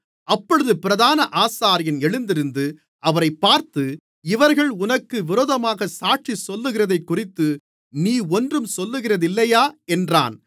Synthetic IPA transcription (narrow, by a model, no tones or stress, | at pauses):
ɐpːɔɻɯðɯpɪɾɐðaːnɐʔaːsaːɾɪjɐnɛɻɯnd̪ɪɾɯnd̪ɯ | ɐʋɐɾɐɪpːaːɾt̪ɯ | ɪʋɐɾɣɐɭʊnɐkːɯʋɪɾoːðɐmaːɣɐsaːʈʂisɔlːɯɣɪrɐðɐɪkːʊrɪt̪ːɯ | niːɔndrɯmsɔlːɯɣɪrɐðɪlːɐjaːɛndra̰ːn